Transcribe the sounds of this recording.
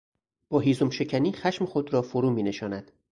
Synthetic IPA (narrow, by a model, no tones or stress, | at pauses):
b̥ɒːɦiːzomʃe̞cʰæniːxæʃmexod̪ɾɒːfoɾuːmiːne̞ʃɒːnæd̪̥